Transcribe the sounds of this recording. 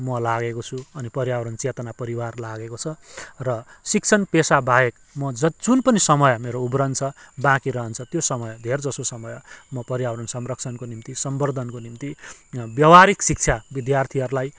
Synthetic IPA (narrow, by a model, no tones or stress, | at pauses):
mʌlaɡekot͡sʰuʌnipʌɾijawɾʌnt͡set̪ʌnapʌɾiwarlaɡekot͡sʰʌrʌsik̚t͡sʰʌnpesabaek | mʌd͡zʌd͡zunpʌnisʌmʌjmeɾoubrʌnd̪t͡sʰʌbãkiɾʌɦʌnt͡sʰʌt̪josʌmʌjd̪ʱerd͡zʌsosʌmʌjmʌpʌɾijawɾʌnsʌmrʌk̚t͡sʰʌnkonimt̪isʌmbʌrd̪ʱʌnkonimt̪ibjʌwaɾiksik̚t͡sʰjabid̪jart̪ʰiʌɾlaj